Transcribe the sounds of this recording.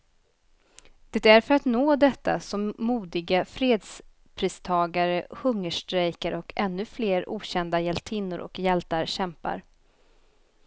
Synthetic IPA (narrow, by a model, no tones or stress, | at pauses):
d̪̥ɛt̪æɾfœɾat̪noːd̪ɛt̪ːa̰sɔmːuːd̪ɪɡafɾeːd̪s | pʰɾiːst̪ʰɑːɡaɾəhɵŋːəʂʈɾɛjkəɾʔɔkʰɛnːɵfleːɾṵːɕɛnd̪ajɛlt̪ʰɪnːʊɾɔ̰kjɛlt̪aɾɕɛmpa̰ɾ